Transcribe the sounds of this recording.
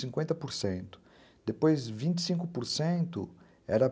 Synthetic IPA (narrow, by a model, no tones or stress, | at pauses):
sĩŋkwẽnt̪ɐpoɾsẽnt̪ʊ̥ | d̪epojzvĩnt͡ʃ̪i̥sĩŋkʊpoɾsẽnt̪ʊ̰ | ɛɾɐ